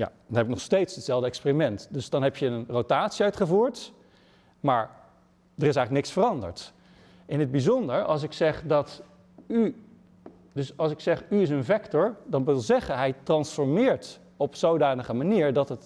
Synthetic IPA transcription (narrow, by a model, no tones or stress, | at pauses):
ja̰ːd̥ɑnɦɛbɪk̚nɔχstejtsətsɛlˠvdəɛkspeːrimɛntdɵsdɑnɦɛpjəənrowtaːtsiœɥtχəvuːɹt | maːɹ | dərɪs̬ɛjχləknɪksfərɑndə̰ɹt | ɪnɦəd̚bizɔndəɹɑ̰lˠs̬ɪksɛχdɑt | y | dɵsɑlˠsɪksɛχyɪs̬ənvɛktɔɹdɑnʋɪlˠzɛχəɦɛjtrɑnsfɔɹmɪːɹt | ɔpsowdaːnəχəmaniːɹdɑtət